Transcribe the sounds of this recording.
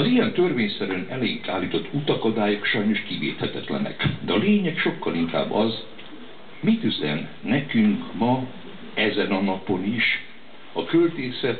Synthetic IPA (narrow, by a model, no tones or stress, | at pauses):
ɒzijɛnt̪ø̞rveːɲsɛɾønɛleikaːlːiːt̪o̞t̪ʰːut̪ɒkod̪aːjokʃɒjno̞ʃkivḛːt̪hɛt̪ɛt̪lɛ̰nɛ̰kd̪ɛɒleːɲɛkʃo̞kːɒliŋka̰ːbːɒz | mit̪yzɛ̰nːɛkyŋkmɒ | ɛzɛnɒnɒpo̞niʃ | ɒkølt̪eːsɛt̪